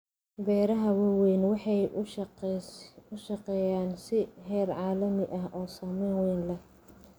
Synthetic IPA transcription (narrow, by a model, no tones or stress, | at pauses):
bɛːɾɐɦɐwɐwɛjnwɑħɑj | ʊʃɐqɛːjaːnsɪɦɛːrʕɑːlɐmɪʔɐɦʔɔːsɔːmɛjnwɛjnlɐ